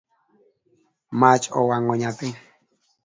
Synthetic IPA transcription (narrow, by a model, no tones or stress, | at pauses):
mat͡ʃʼɔ̰waŋɔɲapɪ